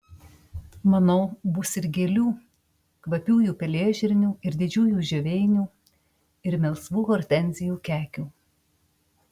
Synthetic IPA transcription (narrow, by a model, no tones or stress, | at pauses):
mɐnoːbʊsɪɾɡʲeːlʲuː | kʋɐpʲuːjuːpʲɛlʲeːʒʲɪɾʲnʲuːɪɾd̪ʲɪd͡ʒʲuːjuːʒʲɛʋʲɛɪnʲuː | ɪɾmʲɛlˠsʋuːkɔɾʲt̪ʲɛnʲzʲɪjuːkʲæːkʲuː